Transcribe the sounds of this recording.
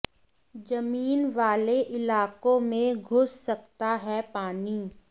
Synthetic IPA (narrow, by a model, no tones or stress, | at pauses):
d͡ʒɐmiːnʋaːleʔɪlaːkõmẽɡʱʊssɐkt̪aɦɛpaːniː